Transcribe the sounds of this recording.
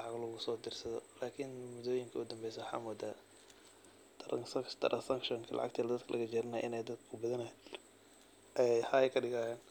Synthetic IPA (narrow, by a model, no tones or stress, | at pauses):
lɑʕɑɣlʊɣʊsɔːd̪ɪrsɐðɔlaːkʰɪnmʊðɔːjɪŋkʰɐʊd̪ɐmbɛjsɛwħɑ̰ːmɔːd̪aː | t̪ʰɐɾɐsɐt̪ʰɐɾʔɐsɐŋkʃɔŋkʰɐlʔɑ̰ʕɑ̰ɡ̚t̪ʰɛːlɐd̪ɐd̪kʰɐlʔɐ̰ɣɐd͡ʒɛːɾɪnaʔɪnɛjd̪ɐd̪kʰkʰʊbɐðɐnɐɛ | ʔɛjħɑɛkʰɐɖɪɣɐhɛːn